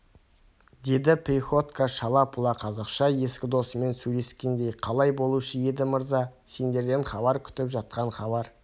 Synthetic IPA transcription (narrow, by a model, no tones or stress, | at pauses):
d̪e̞d̪ɪpɾʲiχo̞t̪kaʃɑlˠɑpʰʊlˠɑqʰɑzɑqʃɑje̞skʲɪd̪o̞səme̞nsɵjle̞skʲe̞nd̪e̞jqʰɑlˠɑjbo̞lˠuʃəje̞d̪ɪməɾzɑse̞nd̪e̞ɾd̪e̞ɴχɑbɑɾkʲʰʏ̥t̪ɪpʒɑt̪̚qɑɴχɑbɑɾ